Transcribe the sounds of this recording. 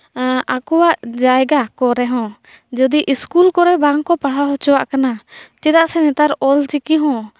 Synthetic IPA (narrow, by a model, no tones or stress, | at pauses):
akɔwaʔd͡ʒajɡakɔɾɛɦɔ̃ | d͡ʒɔd̪iʔiskulkɔɾɛbaɾŋkɔpaɽ̤ɦaɦɔt͡ʃɔwaʔkanat͡ʃɛd̪aʔsɛnɛt̪aɾɔlt͡ʃikiɦɔ̃